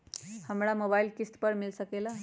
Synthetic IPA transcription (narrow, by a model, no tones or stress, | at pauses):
həmɾamobailkisʈ̪pəɾmilsəkela